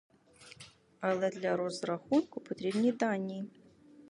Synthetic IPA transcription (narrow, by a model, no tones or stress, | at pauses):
alˠɐd̪lʲɐɾozraxunkʰʊpʰot̪ɾʲebnʲijd̪anʲːij